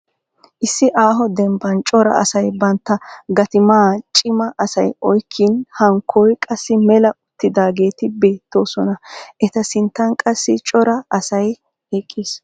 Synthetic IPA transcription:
ʔɪsːɪʔaːɦɔd̪ɛmbɐnt͡ʃʼɔɾɐ̰ʔɐ̰sɐjbɐnt̪ːɐɡɐt̪ɪmaːt͡ʃʼɪmɐʔɐsɐjɔjkʰːinhɐŋkʰːɔjkʼɐsːɪmɛlɐʔʊt̪ːɪd̪aːɡe̞ːt̪ɪbe̞ːt̪ːo̞ːsɔnɐʔɛt̪ɐsɪnt̪ːɐnkʼɐsːɪt͡ʃʼɔɾɐɐsɐj | hekʼːiːs

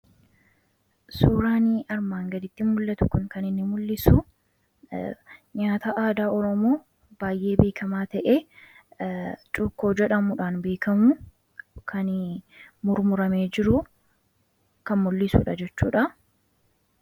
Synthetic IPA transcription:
suːɾaːniɐɾmaːŋɡɐd̪ɪt̪ːɪmʊlːɐt̪ʊkʊnkɐnɪnːɪmʊlːɪsu | ɲaːt̪aʔaːd̪aːɔɾɔmoː | b̥aːjʔeːbe̞ːkʰɐmaːt̪ɐʔe̞ː | t͡ʃʼʊːkːo̞ːd͡ʒɛᶑɐmuᶑaːnbe̞ːkɐmʊ | kʰɐn | mʊɾmʊɾɐmeːd͡ʒɪɾʊ | kɐnmʊlːɪsuːᶑɐd͡ʒɛt͡ʃːṵːᶑɐ

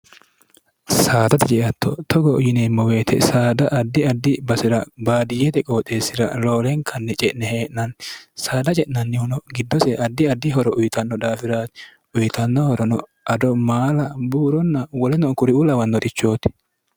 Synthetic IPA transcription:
saːd̪ɐt̪ɛt͡ʃʼɛʔɐt̪ʰːɔ̰t̪ʰɔɡɔʊjɪneːmːɔwe̞ːt̪ʰɛ̰saːd̪ɐʔɐd̪ːɪɐd̪ːɪbɐsɪɾɐbaːd̪ɪjɛt̪ɛkʼoːt̪ʼːe̞ːsɪɾɐ̰lo̞ːlɛŋkʰɐnːɛt͡ʃʼɛʔnɛheːʔnɐnsaːd̪ɐt͡ʃʼɛʔnɐnːɪhɔnɔɡɪd̪ːɔsɛʔɐd̪ːɪɐd̪ːɪɦɔɾɔʔʊjɪt̪ɐnːɔd̪aːfɪɾaːt̪ | ʊjt̪ɐnːɔhɔɾɔnɔ | ʔɐd̪ɔmaːlɐbuːɾɔnːɐwɔlɛnɔkʊɾɪulɐwɐnːɔt̪ɪt͡ʃːo̞ːt̪ɪ̥

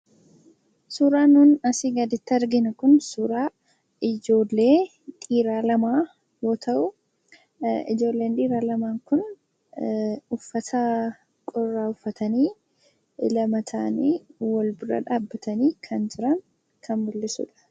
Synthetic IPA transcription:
suːɾaːnʊnɐsiɡɐd̪ɪt̪ːɐɾɡɪnɐkʊnsuːɾaː | ɪd͡ʒo̞ːlːe̞ː | t̪ʼiːɾaːlɐmaː | jo̞ːt̪ʰɐʔʊ | ɪ̰d͡ʒo̞ːlːe̞ːnd̪ʼiːɾaːlɐmaːŋkʊn | ʊfːɐt̪ʰɐ | kʼɔrːaːʊfːɐt̪ɐniː | lɐmɐt̪ʰaːniːwɐlbʊɾɐ̰ᶑaːbːɐt̪ɐniːkʰɐnd͡ʒɪɾɐŋ | kʰɐnbʊlːɪsʊ̰ᶑɐ̥

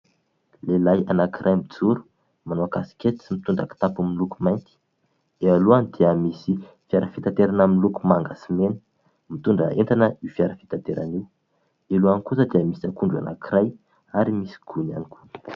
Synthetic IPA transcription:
lelajanakirʔajmbid͡zuɾu̥ | manoakasi̥kʲet̪i̥simit̪uɳɖ͡ʐa̰ki̥t̪apumilukumajnt̪i̥ | d̪̥ealuanid̪eamisi | fiaɾəfi̥t̪ant̪eɾanamnlukumaŋɡasimenə̥ | mit̪uɳɖ͡ʐə̰ent̪anəifjaɾəfi̥t̪ant̪eɾa̰niw | eluanikusəd̪eəmisiakuɳɖ͡ʐua̰nʔa̰kiɾaj | aɾimisi̥ɡ̥una̰nikʰu̥nə̥

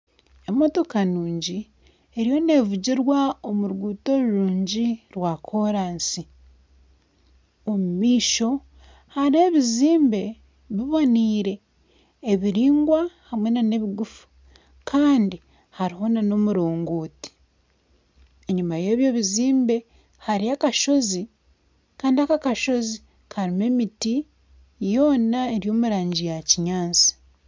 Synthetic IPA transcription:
e̞mo̞to̞kanuːɲɟi | eɾijo̞ne̞ːvuɟiɾwaomuɾɡuːto̞ɾuɾuːɲɟiɾwakʰo̞ɾaːnsi | omumiːʃo̞ | haɾie̞βiziːmbe̞ | βiβo̞niːɾe̞ː | βiɾiːŋɡwahamwenane̞βiɡufu̥ | kʰaːndi | haɾiɦo̞nano̞muɾoːŋɡoːti̥ | e̞ɲumaje̞ːβje̞ːβiziːmbe̞ | haɾiakaʃo̞zi | kaːndiakakaʃo̞zi | kaɾime̞miti | jo̞ːnaeɾjo̞ːmuɾaːɲɟijaciɲaːnsi̥

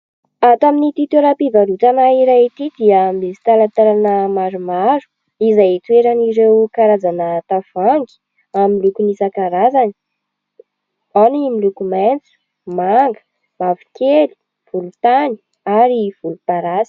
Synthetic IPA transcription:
at̪aminit̪it̪eɾapivaɾut̪anaiɾat̪id̪iəmesi̥t̪alat̪aɾanəmaɾumaɾu̥ | izajt̪ueɾaniɾewkaɾad͡zanət̪av̥aŋɡi̥ | amilukunisakaɾazani̥ | animilukumant͡su̥ | maŋɡə̥ | mavi̥keli̥ | v̥ulut̪ani̥ | aɾiv̥ulut̪aɾasi̥

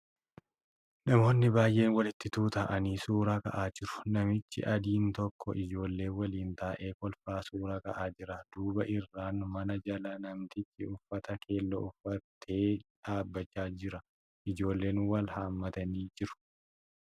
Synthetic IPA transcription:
nɐmo̞ːnːɪbaːjʔe̞ːnwɐlɪt̪ːɪt̪uːt̪ɐʔɐniːsuːɾakɐ̰ʔaːd͡ʒɪɾʊ̥nɐmɪt͡ʃːɪ̰ʔɐd̪iːnt̪ɔkːɔ̰ʔɪd͡ʒo̞ːlːe̞ːwɐliːnt̪aːʔe̞ːkɔlfaːsuːɾakɐ̰ʔaːd͡ʒɪɾɐd̪̥uːbɐʔɪrːaːnmɐnɐd͡ʒɐlɐnɐmt̪ɪt͡ʃːɪʊfːɐt̪ɐkʰe̞ːlːɐ̰ʊfːɐt̪ʰe̞ːᶑaːbːɐt͡ʃːaːd͡ʒɪɾɐ | ʔɪd͡ʒo̞ːlːe̞ːnwɐlhaːmːɐt̪ɐniːd͡ʒɪɾʊ̥

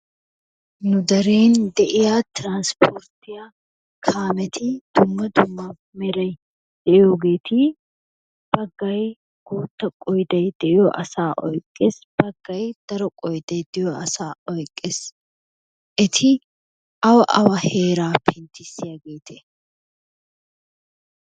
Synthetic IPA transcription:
nʊd̪ɐɾeːnd̪ɛʔɪjat̪ɾaːnspʰɔɾt̪ɪja | kʰaːmɛt̪ʰɪd̪̥ʊmːɐd̪ʊmːɐ | mɛɾɐj | d̪̥ɛʔɪjoːɡe̞ːt̪ɪ | b̥ɐɡːɐj | ɡ̥uːt̪ːɐkʼɔjd̪ɐjd̪̥ɛʔɪjɔʔɐsaːʔɔjkʼːeːsb̥ɐɡːɐjd̪̥ɐɾɔkʼɔjd̪ɐjd̪ɛjɔɐsaːɔjkʼːeːs | ʔɪt̪ʰɪ | ʔɐwɐʔɐwɐhe̞ːɾaːpʰɪnt̪ːɪsːɪjaɡeːt̪ʰe

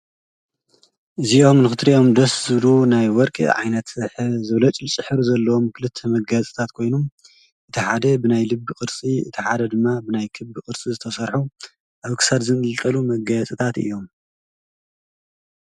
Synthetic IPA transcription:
ʔɨziomnɨxɨt̪ɾiʔo̞md̪ɐszɨβlunajwɔɾkʼɨ̰ʕa̰jnɐt̪ħzɨβlɐt͡ʃʼilt͡sʼɨħɨɾuzɐlːɐwo̞mkʰɨlɨt̪ʰːɐmɐɡɐt͡sʼi̥t̪ʰat̪kʰo̞jnum | ʔɨt̪ʰiħad̪ɐbɨnajlɨbːɨkʼɨɾt͡sʼiɨt̪ʰiħad̪ɐd̪ɨmːabɨnajkʰɨbkʼɨɾt͡sʼizɨt̪ʰɐsɐɾħu | ʔaβkʰɨ̥sad̪zɨnɨlt̪ʼɐlumɐɡɐt͡sʼit̪ʰat̪ɨ̰jːo̞m

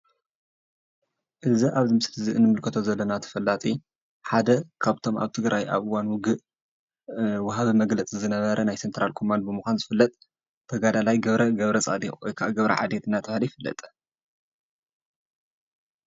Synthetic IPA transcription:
ʔɨziʔaβzimɨslɨziɨnːɨmɨlkʰɐt̪ʰo̞zɐlːɐnat̪ʰɐ̥fɐlːat̪ʼi | ħad̪ɐkʰaβt̪ʰo̞ma̰βt̪ʰɨɡɾajʔa̰βɨwanwʊɡɨʔ | wʊɦaβimɐɡlɐt͡sʼizɨnɐβɐɾɐnajsent̪ɾalkʰo̞mand̪̚bɨmuxʷanzɨfɨlːɐt̪ʼ | t̪ʰːɐɡad̪alajɡɐβɾɐɡɐβɾɐt͡sʼa̰d̪iwɔjkʰaʔaɡɐβɾɐ̰ʕa̰d̪et̪ɨnːat̪ʰɐahlijifɨlːɐ̰t̪ʼ

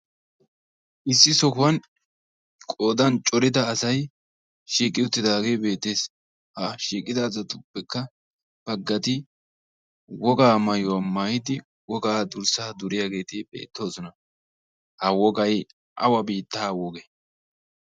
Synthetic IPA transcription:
ʔɪsːɪsɔkʊwɐn | kʼo̞ːd̪ɐnt͡ʃʼɔɾɪd̪ɐːsɐj | ʃiːkʼːɪʊt̪ːɪd̪aːɡe̞ːjbe̞ːt̪ːeːs | hɐʃiːkʼɪd̪azɐt̪ʼʊpːɛkːɐ | b̥ɐɡːɐt̪ɪ | wɔɡaːmɐjʊwɐmaːjɪd̪ɪ | wɔɡaːd̪ʊɾsaːd̪ʊɾɪjaɡe̞ːt̪ɪbe̞̰ːt̪ːo̞ːsɔnɐ | hɐwɔɡɐj | ʔɐ̰wɐbiːt̪ːaːwɔɡɛ

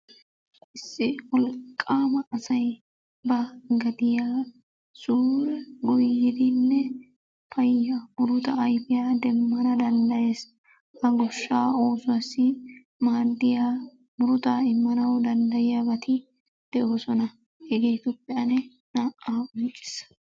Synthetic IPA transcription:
ʔɪsːɪwɔlkʼːaːmɐːsɐj | bɐɡɐd̪ɪjaː | suːɾɛɡʊjːɪd̪ɪnːɛ | pɐjjːamʊɾʊt̪ɐːjfɪjaːd̪ɛmːɐnɐd̪ɐnd̪ɐjeːs | ɐɡɔʃːaːoːsʊwɐsɪ | maːd̪ːɪjaː | mʊɾʊt̪aɪmːɐnɐwd̪ɐnd̪ɐjɪjabɐt̪ʰɪ | d̪̥ɛʔoːsɔnɐ | hɛɡejt̪ɔpʼːɛjɐnɛ | naːʔaːʊnt͡ʃʼːɪ̥s

